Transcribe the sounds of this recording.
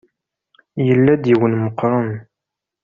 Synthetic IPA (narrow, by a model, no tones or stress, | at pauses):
jəlːæd̪jiwənməqːɾˤən